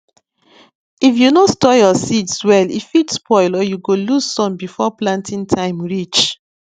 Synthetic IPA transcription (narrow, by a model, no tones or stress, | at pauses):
ifjunostɔjɔsitswɛlifitspʰɔɪlɔjuɡoluzsɔ̃nbifɔplãntʰĩntʰãɪ̃mɹit͡ʃ